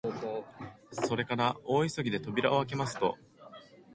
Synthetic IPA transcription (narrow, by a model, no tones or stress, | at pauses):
so̞ɾe̞kaɾao̞ːisoɡʲid̪e̞t̪o̞bʲiɾa̰o̞ak̬e̞masɨ̥t̪o̞̰